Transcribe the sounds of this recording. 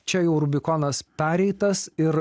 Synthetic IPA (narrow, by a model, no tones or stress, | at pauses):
t͡ʃʲɛjɛʊɾʊbʲɪkɔnɐspʲæːɾʲɛɪt̪ɐsɪɾ